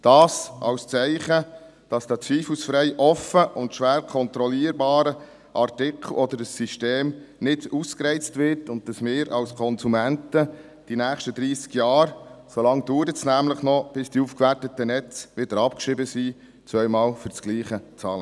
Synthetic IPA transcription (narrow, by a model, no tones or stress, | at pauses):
d̥ɑːsɑ̰wst͡sɛɪχə | d̥ɑsd̥æːt͡sʋiːflusfɾɛɪʔɔfəʔʊntʃʋæːɾkʰɔnt̪ɾɔliːəɾbɑːɾə | ʔɑrtɪkʰl̩ɔd̪əɾəsːiʃteːmnɪd̥uskrɛɪt͡stvɪɾtʊnt̚dɑsmɪːɾɑwskʰɔnsumæntə | d̥inæːχʃtədɾiːsɡjɑːɾsɔlɑŋduːɾətsnæːmləχnɔb̥ɪsd̥iufkʋærtətːənɛt͡sʋɪd̥əɾɑpkʃɾɪbəsiː | t͡svœʏmɑːlfʏɾt͡sɡ̥liːχət͡sɑːlə